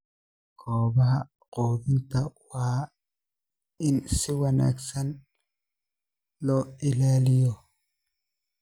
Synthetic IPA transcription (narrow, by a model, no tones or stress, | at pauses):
kʰɔːbɐɦɐ | qoːbɪnt̪ɐwaː | ɪnsɪwɐna̰ːksɐn | lɔːɪlaːlɪjɔ